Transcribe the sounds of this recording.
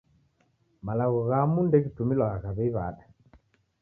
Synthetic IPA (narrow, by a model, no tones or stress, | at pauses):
malaɣɔɣamundɛɣitumilwaɣaɣaβɛiβa̰ɗa